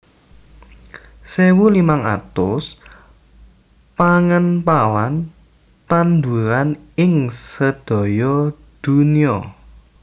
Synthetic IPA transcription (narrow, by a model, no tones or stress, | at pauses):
sewulimaŋa̰t̪ʊs | paŋənpalan | t̪and̪uɾanɪŋsəd̪̥ɔ̤jɔ | d̪̥uniɔ